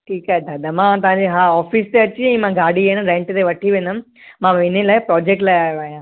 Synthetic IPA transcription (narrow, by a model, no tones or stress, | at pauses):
ʈʰiːkat̪ʰad̪ɐmãt̪ɐʋ̤ãːɲd͡ʑeɦaːɔːfiːst̪eɐt͡ɕiɛ̃ːmãɡaːɽienɾẽɳʈt̪eʋɐʈʰiʋẽːnd̪ʊm | mãːʋɪnelaːɪpɾɔːd͡ʑeːk̚ʈlaːɪaːjoaːɦijãː